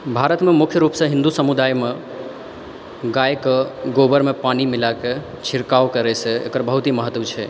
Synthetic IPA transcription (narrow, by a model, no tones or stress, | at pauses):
bʱaɾət̪mẽmʊkʰjəɾupsə̃ɦɪ̃nd̪usəmud̪aːjme | ɡajkeɡobəɾmẽpanimɪlake | t͡ʃʰɪɾkaʋkəɾɛsʰeḛkəɾbəɦut̪iməɦət̪ʋt͡ʃʰe